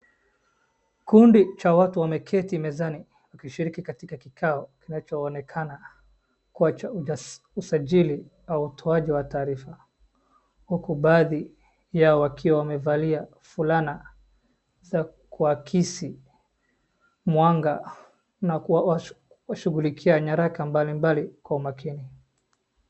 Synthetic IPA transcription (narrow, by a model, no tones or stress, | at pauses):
kundit͡ʃawatuwamɛkʰɛtimɛzani | wakiʃiɾikikatikakikʰaɔkinat͡ʃɔːnɛkʰana | kuat͡ʃa | usaʄili | auutʰɔaʄiwataːɾifa | hukuɓaːði | jaɔwakʰiwawamɛvalia | fulana | za | kuakʰisi | mwaŋɡa | nawa | waʃuɣulikʰiaɲaɾakambalimbalikwaumakini